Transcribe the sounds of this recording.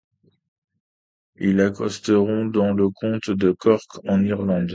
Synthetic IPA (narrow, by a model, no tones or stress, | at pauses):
ilakɔst̪əʁɔ̃d̪ɑ̃ləkʰɔ̃t̪d̪əkɔʁkɑ̃niʁlɑ̃d̪